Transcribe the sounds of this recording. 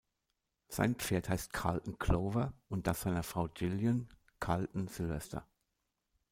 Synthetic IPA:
z̥a̰ɪnpp͡feːɐthaɪstkʰa̰ltn̩kʰl̥oːvɐʊnt̚d̥asz̥aɪnɐfʁ̥aʊd͡ʒɪljən | kʰaltn̩z̥ɪlvɛ̰stʰɐ̰

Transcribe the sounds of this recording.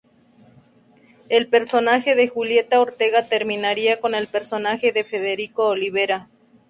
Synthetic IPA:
elpeɾso̞naxe̞ðexulje̞t̪aoɾt̪eɣat̪e̞ɾmĩnaɾiako̞ne̞lpe̞ɾso̞naxe̞ðe̞fe̞ðeɾikoːliβeɾa

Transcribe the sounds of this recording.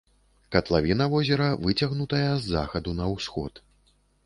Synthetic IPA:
kɐt̪lˠavʲinɐvɔzʲɛɾɐvɨt͡sʲaɣnut̪ɐjɐzːa̰xɐd̪unɐwsxɔ̰t̪

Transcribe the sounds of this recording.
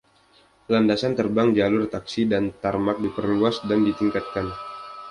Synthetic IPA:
landasant̪ərbaŋd͡ʒalʊrt̪aksidant̪armak̚dipərluasdandit̪iŋkat̪̚kan

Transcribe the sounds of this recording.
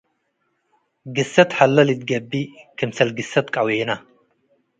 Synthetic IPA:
ɡɨsɐt̪ħalːɐlɨt̪̚ɡɐbːikʰɨmsɐlɡɨsɐt̪kʼawena

